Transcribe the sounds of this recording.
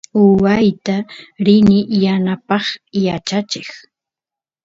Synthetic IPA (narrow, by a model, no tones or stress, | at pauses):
ʊwajt̪aɾɪnɪjanapɑχjat͡ʃat͡ʃɪχ